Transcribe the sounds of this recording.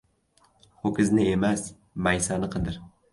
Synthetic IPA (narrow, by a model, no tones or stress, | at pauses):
hokʲɪznɪe̞mas | majsanɪqʰɨd̪ɪɾ